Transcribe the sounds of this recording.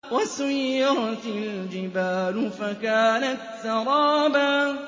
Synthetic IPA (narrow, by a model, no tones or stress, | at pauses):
wasʊjːʊɾt̪ɪld͡ʒɪbaːlʊfakaːnat̪sɑɾˤɑːbaː